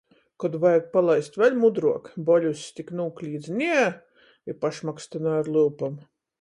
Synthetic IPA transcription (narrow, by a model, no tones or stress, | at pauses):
kɔd̪vajɡ̚palˠajst̪vʲɛlʲmud̪ɾuɔkbɔlʲusʲt̪ʲiknuːklʲiːd̪znʲiɛ | ipaʃmakst̪ɨnaːɾlˠɨlpam